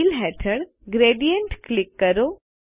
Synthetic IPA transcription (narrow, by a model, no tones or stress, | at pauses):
lɦɛʈʰəɽ | ɡɾeːɖijəɳʈklɪkːəɾoː